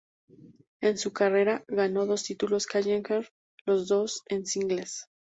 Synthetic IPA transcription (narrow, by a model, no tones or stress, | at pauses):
e̞nsukare̞ɾaɣano̞ðo̞st̪it̪ulo̞skaʝeŋkeɾ | lo̞zðo̞se̞nsiŋɡles